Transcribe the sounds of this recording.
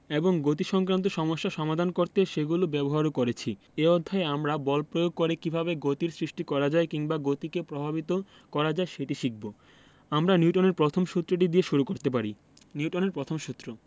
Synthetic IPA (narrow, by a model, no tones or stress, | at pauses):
eboŋɡot̪̬iʃɔŋkɾant̪oʃɔmoʃːaʃɔmad̪ʱankoɾt̪eʃeɡulobɛboɦaɾokoɾet͡ɕʰi | eod̪ʱːaeamɾabɔlpɾojoɡ̚koɾekibʱaβeɡot̪iɾsɾiʃʈikɔɾad͡ʑaekiŋbaɡot̪ikepɾobʱabit̪o | kɔɾad͡ʑaeʃeʈiʃik̚bo | amɾaniuʈoneɾpɾot̪ʰomʃut̪ːɾoʈ̬id̪ieʃuɾukoɾt̪ep̬aɾi | niuʈoneɾpɾot̪ʰomʃut̪ːɾo